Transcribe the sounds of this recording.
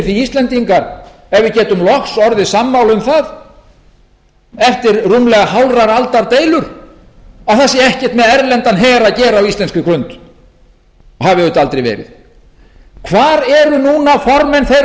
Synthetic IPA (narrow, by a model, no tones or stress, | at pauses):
θiist̪lɛnt̪iŋkaɾ | ɛvɪðcɛːt̪ʏmlɔxsɔɾðɪsamːawlʏmθað | ɛft̪ɪɾrumlɛɣaɦawlraɾalt̪aɾt̪eːjlʏɾ̥ | aθas̬jɛɛhcɛht̪mɛðɛɾlɛnt̪anɦɛːɾaðcɛːɾaːwist̪ɛnskʏkɾʏnt̪ | ɔɦavɪʏt̪alt̪ɾejvɛ̰ːɾɪ̰ð | kʰvaːɾɛɾʏnuːnafɔɾmɛnθejɾ